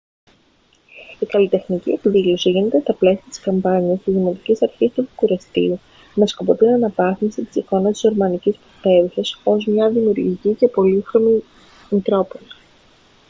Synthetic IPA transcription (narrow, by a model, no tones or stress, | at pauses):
ikɐlit̪e̞xniciepiðilo̞siʝine̞t̪e̞st̪ɐple̞siɐt̪i̥skɐmbɐɲiɐst̪izðimo̞t̪icisɐɾçist̪uðikuɾɐst̪iu | me̞skopo̞t̪inɐnɐvɐθimsit̪i̥siko̞nɐst̪izo̞ɾmɐnicisput̪e̞usɐso̞zmɲɐðimiuɾʝicice̞po̞lixɾo̞mi | mit̪ɾo̞ponɐ